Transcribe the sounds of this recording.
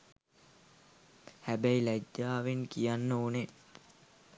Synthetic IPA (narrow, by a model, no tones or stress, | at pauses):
hæbæilæɟːaːʋeŋkijanːəune